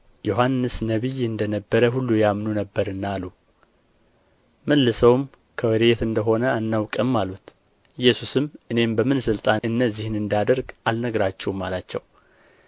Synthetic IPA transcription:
joɦanːɨsnəβɨjɨnd̪ənəbːəɾəɦulːujamnunəbːəɾɨnːaːlu | məlːɨsəwm | kʰəwɔɾet̪ɨnd̪əɦo̞nəanːawkʼəmːalut̪ | ɨjːɛsusɨmʔɨne̞mbəmɨnsɨlt̪ʼaɨnːəzːihnɨnd̪ad̪əɾɡalnəɡɾat͡ʃːɛwmːa̰lat͡ʃːɛw

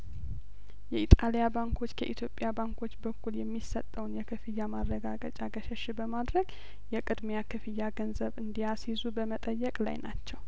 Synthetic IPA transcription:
jɛit̪ʼalijabaŋkʰo̞t͡ʃːkʰə̰ʔit̪ʰjo̞pʼjabaŋkʰo̞t͡ʃːbəkːuljɛmːisət̪ʼːəwnjɛkʰɨfɨjːamaɾːəɡaɡət͡ʃʼaɡəʃɛʃɪbəmad̪ɾəɡ | jɛkʼɨd̪mejakʰɨfɨjːaɡənzəβɨnd̪ijasizubəmət̪ʼəjːɛkʼla̰jna̰t͡ʃːɛw

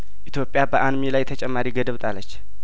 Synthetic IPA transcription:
ʔit̪ʰjo̞pʼjabəʔanmelajt̪ʰət͡ʃʼɛmːaɾiɡəd̪əβt̪ʼalːət͡ʃː

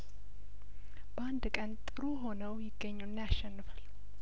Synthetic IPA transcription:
b̥əand̪kʼənt̪ʼɨɾuɦo̞nəwjɪɡːəɲːunːjaʃːɛnːɨfal

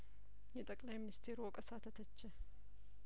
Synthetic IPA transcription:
jɛt̪ʼəkʼlajmɪnɪst̪ʰeɾwɔkʼəsat̪ʰət̪ʰət͡ʃːɛ

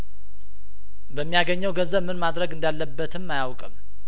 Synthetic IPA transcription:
bəmːijaɡəɲːəwɡəzəβmɨnmad̪ɾəɡɨnd̪alːəbːət̪ʰɨmːajawkʼɨm

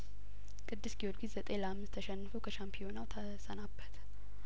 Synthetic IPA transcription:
kʼɨd̪ːɨsɡiolɡizzət̪ʼeləamːɨst̪ʰːəʃɛnːɨfəwkʰəʃampʰio̞nawt̪ʰ | sənabːət̪

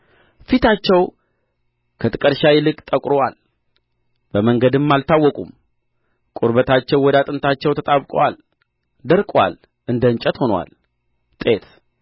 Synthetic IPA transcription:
fit̪ʰat͡ʃːɛw | kʰət̪ʰɨkʼəɾʃawilɨkʼt̪ʼəkʼɾowal | bəməŋɡəd̪ɨmːalt̪ʰawːɔkʼum | kʼuɾbət̪ʰat͡ʃːɛwːɔd̪at̪ʼɨnt̪ʰat͡ʃːɛwt̪ʰət̪ʼaβkʼwa̰l | d̪əɾkʼwa̰l | ʔɨnd̪ənt͡ʃʼɛt̪ho̞nwa̰l | t̪ʼet̪

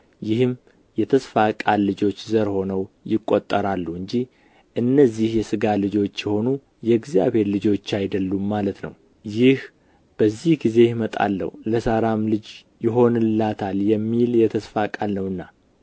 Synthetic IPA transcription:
jɪhɨmː | jɛt̪ʰəsfakʼalːɨd͡ʒo̞t͡ʃːzəɾho̞nəwjɪkʼːot̪ʼːəɾalːuɨɲd͡ʒi | ʔɨnːəzːihjɛsɨɡalɨd͡ʒo̞t͡ʃːjɛho̞nu | jɛɡzja̰βhe̞ɾlɨd͡ʒo̞t͡ʃːajd̪əlːumːalət̪nə̰w | jɪh | b̥əzːihɡize̞jmət̪ʼa̰lːə̰huləsaɾamlɨd͡ʒ | jɪɦo̞nɨlːat̪ʰaljɛmːiljɛt̪ʰəsfakʼalnəwɨnːa

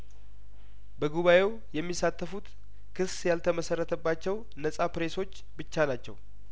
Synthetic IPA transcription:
bəɡuβaje̞w | jɛmːisat̪ʰːəfut̪ | kʰɨsjalt̪ʰəməsərːət̪ʰəbːat͡ʃːɛw | nəsʼapɾe̞so̞t͡ʃː | bɨt͡ʃːanat͡ʃːɛ̰w

